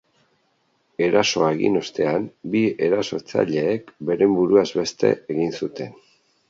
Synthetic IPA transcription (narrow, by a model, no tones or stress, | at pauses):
e̞ɾaso̞aeɣḭno̞st̪e̞ambie̞ɾaso̞ɾt͡sa̰ʎe̞ːkbe̞ɾe̞mbuɾuazβe̞st̪e̞̰eɣinsut̪e̞n